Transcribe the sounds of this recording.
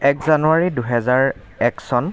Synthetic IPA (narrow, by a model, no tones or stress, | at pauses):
ɛkzanuaɹiduɦɛzaɹ | ɛksɔn